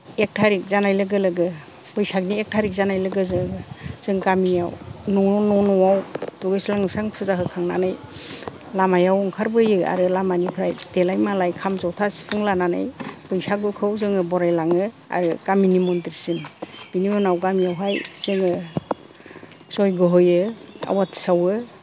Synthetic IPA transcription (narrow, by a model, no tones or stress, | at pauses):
ek̚tʰaɾik̚zanajlɯɡɯlɯɡɯ | b̥ɯjsak̚niek̚tʰaɾik̚zanajlɯɡɯzɯɯz̥ɯŋɡamijawnɔɔnɔnɔwawd̥ɔɡɯjslaŋɯsaŋpʰɯzaɦɯkʰaŋna̰naj | lamajawɔŋkʰaɾbɯjɯa̰ɾɯlamanipʰɾajdelajmalajkʰamzawtʰasi̥pʰɯŋlanana̰jbɯjsaɡɯkʰɯwzɯŋɯbɔɾajlaŋɯ | a̰ɾɯkaminimɔndiɾsinb̥inimɔnawɡamijawɦajz̥ɯŋɯ | sɔjɡɯɦɯjɯa̰watʰsawɯ